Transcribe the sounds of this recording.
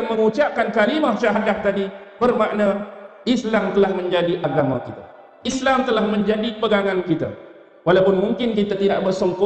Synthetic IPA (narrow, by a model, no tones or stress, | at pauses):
mə̃ŋut͡ʃap̚kankalimahʃaɦadaht̪adibərmaʔnaislamt̪əlahmə̃ɲd͡ʒadiʔaɡama̰kit̪a | islamt̪əlahmə̃ɲd͡ʒadipəɡaŋãnkit̪a̰ | walawpʊnmuŋkɪnkit̪at̪idaʔbərsɔŋkɔ